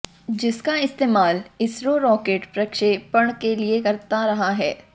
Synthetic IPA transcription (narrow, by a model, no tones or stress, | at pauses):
d͡ʒɪskaɪst̪eːmaːlɪsɾoɾɔːkeːʈpɾɐkʃeːpɐɽ̃keliekɐɾt̪aɾɐɦaɦɛː